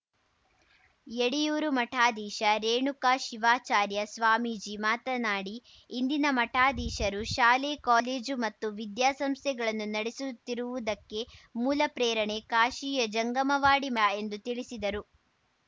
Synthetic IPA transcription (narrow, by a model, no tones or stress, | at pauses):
eɽijuːɾumɐʈʰaːd̪iːʃɐɾeːɳukaːʃiʋaːt͡ʃaːɾjɐsʋaːmiːd͡ʒimaːt̪ɐnaːɽiː | nd̪inɐmɐʈʰaːd̪iːʃɐɾuʃaːlekaːleːd͡ʒumɐt̪ːuʋid̪jaːsɐmst̪ʰɛɡɐɭɐnːunɐɽesut̪ːiɾuʋud̪ɐkːe̞muːlɐpɾɛːɾɐɳe̞kaːʃiːjɐd͡ʒɐŋɡɐmɐʋaːɽimɐe̞nd̪ut̪iɭisid̪ɐɾu